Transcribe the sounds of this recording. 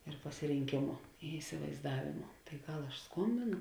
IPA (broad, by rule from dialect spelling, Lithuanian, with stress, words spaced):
ɪr pɐsʲɪrʲɪŋʲˈkʲeːmʊ ɪ ɪsʲɪʋɐɪzˈdɑːʋʲeːmʊ tɐɪ ˈɡɐlˠ ɐʃ ˈskoːmʲbʲeːnʊ